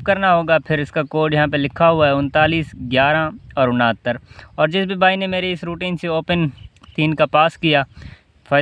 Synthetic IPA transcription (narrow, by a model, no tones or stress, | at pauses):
pkɐɾnaɦoːɡapʰɪɾɪskakoːʈjɐɦãp̬elɪkʰːaɦʊaɦɛʊ̃nt̪aːliːsɡjaːɾãɔːɾʊnaːt̪ːəɾɔːɾd͡ʒɪsbʱibaːinemeːɾeɪsɾuːʈiːnseoːpənt̪iːnkapaːskijaː | fɐ